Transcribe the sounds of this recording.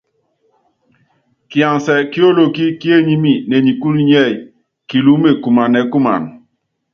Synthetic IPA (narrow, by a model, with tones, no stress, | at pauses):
ki˨a˨ŋsɛ˨ki˦o˦lo˨ki˦ki˦e˦˨ɲi˦mi˦˨nɛ˨ɲi˨ku˦ɾi˦ɲ˦ɛ˦˨j | ki˨lu˨˦me˨ku˨ma˨nɛ˨ku˦ma̰˨n